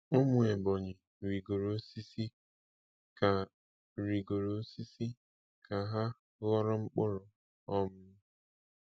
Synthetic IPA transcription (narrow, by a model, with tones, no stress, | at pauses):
ʊ˦mʊ˨e˨bɔ˨ɲɪ˨ | ɾi˨ɡo˨ɾo˦si˦si˦ | ka˨ | ɾi˨ɡo˨ɾo˦si˦si˦ | kʰa˨ɦa˦ | lɔ˦ɾɔ˦ŋ͡m̩˦k͡pʊ˦ɾʊ˨ | ɔ˦mʊ˦